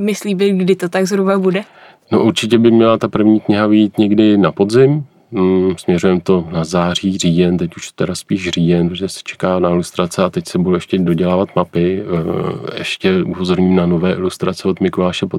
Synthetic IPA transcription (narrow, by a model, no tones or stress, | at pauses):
mɪsliːbɪɡdɪt̪ot̪aɡzɦɾubabudɛ | noʔuɾt͡ʃɪcɛbɪmɲɛlat̪apr̩vɲiːkɲɪɦavɪjiːt̪ɲɛɡdɪnapo̞dzɪm | smɲɛɾujɛmt̪o̞nazaːr̝iːriːjɛnt̪ɛcuʃt̪ɛɾaspiːʃriːjɛnpɛsɛ̥t͡ʃʰɛ̥kaːnaɪlust̪ɾat͡sɛat̪ɛcsɛbudowɛʃcɛdoɟɛlaːvat̪mapɪ | ɛ̰ʃcɛʔupozo̞ɾɲiːmnano̞vɛːʔɪlust̪ɾat͡sɛot̪mɪkolaːʃɛpo